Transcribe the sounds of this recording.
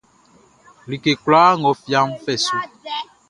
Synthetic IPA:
li˨ke˨kwlaː˦ŋɔ˨fja˦mfɛ˦˨su˦

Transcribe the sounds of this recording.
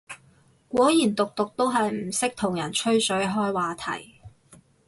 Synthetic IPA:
kʷɔː˨˥jiː˨˩nt̪ʊ˨k̚t̪ʊ˨k̚t̪o˥wɦɐ˨jm̩˨˩sɪ˥k̚t̪ʰʊ˨˩ŋjɐ˨˩nt͡ʃʰɵ˥ɥsɵ˨˥ɥɦɔː˥jwaː˨t̪ʰɐ̰˨˩j

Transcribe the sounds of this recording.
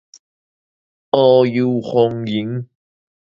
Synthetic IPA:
ʔɔː˧ji˧whɔ˧ŋji˨˦ŋ

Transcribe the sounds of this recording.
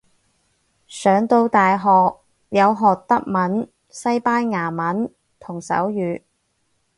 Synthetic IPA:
sœː˨˧˥ŋt̪o˧wt̪aː˨jɦɔː˨k̚ | jɐ˨˧wɦɔː˨k̚t̪ɐ˥k̚mɐ˨˥n | sɐ˥jpaː˥nŋaː˨˩mɐ˨˥n | t̪ʰʊ˨˩ŋsɐ̰˨˥wjyː˨˧

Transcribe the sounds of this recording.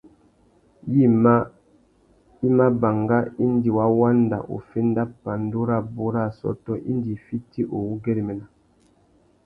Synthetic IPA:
ji˦ma˦ | i˦ma˦ba˨ŋɡa˦i˦n˦di˨wa˦wa˦n˦da̰˨ʔo̰˨fe˦n˦da˦pːa˨n˦do˦ɾa˦˨bo˦ɾa˦sɔ̰˦tɔ˦ʔḭ˦ndi˨fi˦ti˦ʔo˨wu˦ɡe˦ɾi˨mɛ˨na˨

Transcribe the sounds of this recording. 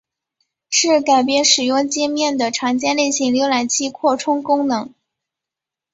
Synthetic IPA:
ʂɻ̩˥˩ka˨˩ɪpjɛ˥nʂɻ̩˨˩jʊ˥˧ŋt͡ɕɛ˥mjɛ˥˩nd̪ə˩ʈ͡ʂʰɑ˧˥ŋt͡ɕjɛ˥nle˥˧ɪɕi˧˥ŋljo˧˥la˨˩ɪt͡ɕʰi˥kʰwɔ˥˩ʈ͡ʂʰʊ˥ŋkʊ˥ŋnɤ˧˥ŋ

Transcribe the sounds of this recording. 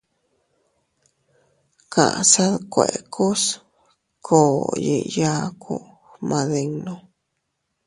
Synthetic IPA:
kã̰˨ʔsa˦ðkʷe˨ʔkʰu˦s | kʰoː˨ji˧ʔja˦kʰṵ˦ | hmã˧ðe˧ŋnõ

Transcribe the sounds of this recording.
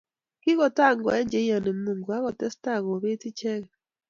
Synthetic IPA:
ki˦ɣɔ˨ta˦˨ŋɡɔ̰˨ɛ˦ɲd͡ʒe˨˦ɔ˨ne˨mu˨ŋɡwa˦ɣɔ˨tɛ˦sta˦˨ɣo˨βe˦ti˦t͡ʃɛ˦ɣɛ˨

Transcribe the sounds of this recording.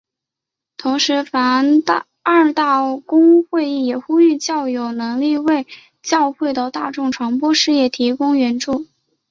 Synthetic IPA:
t̪ʰʊ˧˥ŋʂɻ̩˧˥fa˧˥n˧ | a˞˥˧t̪a˥˩kʊ˥ŋxwe˥˧ɪi˥˩jɛ˨˩xu˥y˥˧t͡ɕjɑ˥˩ʊjo˨˧˩ʊnɤ˧˥ŋli˥˧we˥˧ɪ | t͡ɕjɑ˥˧ʊxwe˥˩ɪd̪ə˩t̪a˥˧ʈ͡ʂʊ˥˩ŋʈ͡ʂʰwa˧˥ŋpwɔ˥ʂɻ̩˥˧jɛ˥˩t̪ʰi˧˥kʊ˥ŋɥɛ˧˥nʈ͡ʂu˥˩

